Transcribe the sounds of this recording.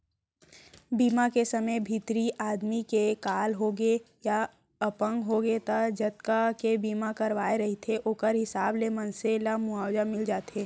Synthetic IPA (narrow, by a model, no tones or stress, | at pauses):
biːmakesɐməjbʱit̪ɾiʔaːd̪mikekaːlɦoɡe | ja | əpə̃ŋɡɦoːɡet̪ad͡ʒɐt̪kakebiːmakɐɾʋaːeɾɐɦit̪ʰeʔoːkəɾɦɪsaːblemɐnselamʊaːwd͡ʒamɪld͡ʒaːt̪eː